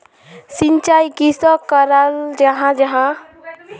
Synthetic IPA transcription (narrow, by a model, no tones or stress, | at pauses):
sint͡ʃajkisɔkəɾald͡ʒəɦãd͡ʒəɦã